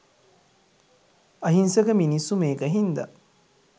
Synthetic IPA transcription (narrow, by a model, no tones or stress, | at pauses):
ɐɦinsɐɡəminisːumeːɡəɦind̪ɐ̰